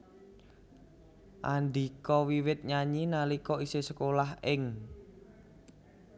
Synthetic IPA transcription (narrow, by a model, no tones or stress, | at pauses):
ʔanɖ̪ikɔwiwɪt̪̚ɲaɲinalikɔisesəkolahɪŋ